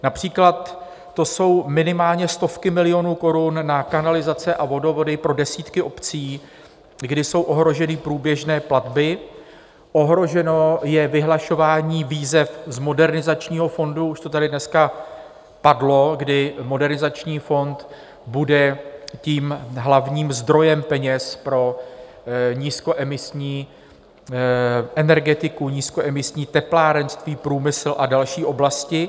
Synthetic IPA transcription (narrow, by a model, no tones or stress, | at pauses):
napr̝̥iːklat̪ː | o̞so̞wmɪnɪmaːlɲɛst̪o̞fkɪmɪlɪjo̞nuːko̞ɾunːakanalɪzat͡sɛʔavo̞do̞vo̞dɪpɾo̞dɛsiːt̪kɪʔo̞pt͡siː | ɡdɪso̞wʔo̞ɦɾo̞ʒɛnɪpɾuːbjɛʒnɛːplad̪bɪ | ʔo̞ɦɾo̞ʒɛno̞jɛvɪɦlaʃo̞vaːɲiːviːzɛfzmo̞dɛɾnɪzat͡ʃɲiːɦo̞fo̞nduuʃt̪o̞t̪adɪdnɛska | padlo̞ɡdɪmo̞dɛɾnɪzat͡ʃɲiːfo̞nt̪ | budɛciːmɦlavɲiːmzd̪ɾo̞jɛmpɛɲɛspɾo̞ | ɲiːsko̞ʔɛmɪsɲiː | ʔɛnɛɾɡɛt̪ɪkuɲiːskoʔɛmɪsɲiːt̪ɛplaːɾɛnst̪viːpɾuːmɪsl̩ʔadalʃiːʔo̞blascɪ